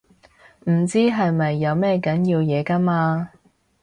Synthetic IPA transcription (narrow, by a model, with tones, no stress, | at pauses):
m̩˨˩t͡siː˥ɦɐ˨jmɐ˨jːɐ˨˧wmɛː˥kɐ˨˥njiː˧wjɛː˨˧kɐ˥maː˧